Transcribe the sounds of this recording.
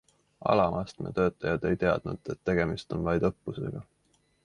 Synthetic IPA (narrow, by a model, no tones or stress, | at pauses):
ʔɑ̰lɑmʔɑst̪mḛt̪ø̞ːt̪ːˑɑjɑd̪e̞jt̪e̞ɑ̰d̪̥nud̪̥et̪ːe̞ɡ̥e̞mist̪o̞nvɑjd̪ɤpːuse̞̰ɡ̥ɑ